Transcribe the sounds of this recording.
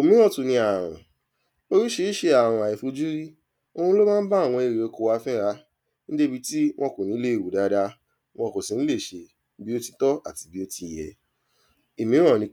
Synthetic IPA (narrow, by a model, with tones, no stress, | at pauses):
o˨mĩ˦ɾ̃ɔ̃˦˨tu˨nĩ˧a˨ɾ̃ɔ̰̃˨ | o˧ɾi˦ʃe˦ʃe˧a˨w̃ɔ̃˧a˨i˨fu˧d͡ʒu˦ɾi˦ | o˧hũ˧˦lo˦mãː˦ba˦˨w̃ɔ̃˧e˨ɾe˨o˧ko˧wa˧fɛ˦˨ɾa˧˦ | nĩ˦d͡ʒe˦bi˧ti˦w̃ʔɔ̃˧ko˨nĩ˨˦le˦i˦˨wu˨da˧˦da˧ | w̃ɔ̃˧ko˨si˨n̩˦le˦˨ʃe˧˦ | bi˦o˦ti˧tɔ˦a˦˨ti˧bi˦o˧ti˧˨jɛ̰˨ | i˨mĩ˨˦ɾ̃ɔ̃˦˨nĩ˨˧